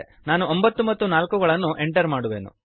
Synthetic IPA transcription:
naːnuombɐt̪ːumɐt̪ːunaːlkuɡɐɭɐnːuʔe̞ɳʈɐɾmaːɽuʋe̞ːnṵ

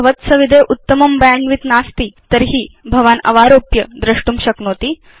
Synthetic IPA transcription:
ʋət̪səʋid̪ʱejʔut̪ːəmɐmbəjãŋɡʋit̪nast̪iːt̪əɾɦiːbʱɐʋanɐ̰ʋaɾopjəd̪ɾəʂʈuːmɕəknot̪iː

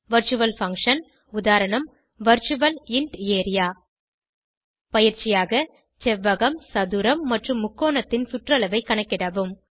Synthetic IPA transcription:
ʋɐɾt͡ʃɯʋɐlfɐŋkʂɐn | ʊðaːɾɐɳɐm | ʋɐɾt͡ʃʊʋɐlɪɳɖeːɾɪjaː | pɐjɪɾt͡ʃɪjaːɣɐ | t͡ʃɛʋːɐɣɐmsɐðɯɾɐmːɐʈrɯmːʊkːoːɳɐt̪ːɪnsʊʈrɐlɐʋɐɪkːɐɳɐkːɪɽɐʋɯm

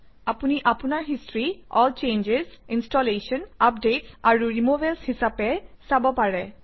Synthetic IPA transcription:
apuniʔapunaɹɦistɹiɔlt͡ʃend͡ʒesinstɔlesɔnap̚detsaɹuɹimobelshisapɛsabɔpaɹɛ

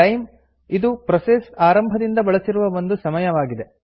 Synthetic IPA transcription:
ɐjm | id̪upɾɐsesaːɾɐmbʱɐd̪ind̪ɐbɐɭɐsiɾuʋɐʋo̞nd̪usɐmɐjɐʋaːɡid̪e

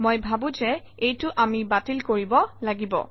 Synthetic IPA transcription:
mojbʱabũzɛ | ejtʊʔamibatilkoɹibɔlaɡibɔ̰

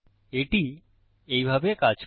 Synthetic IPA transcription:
eʈi | ejbʱabekad͡ʑ

